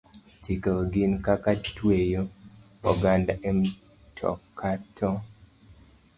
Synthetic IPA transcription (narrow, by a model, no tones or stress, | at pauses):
t͡ʃikoɡinkakatwejo | ɔɡandaʔɛm | tʰɔ̰kʰːatʰɔ